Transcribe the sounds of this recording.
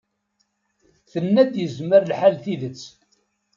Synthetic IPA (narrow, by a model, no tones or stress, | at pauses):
θənːæd̪jəzməɾlħalθiðət͡sː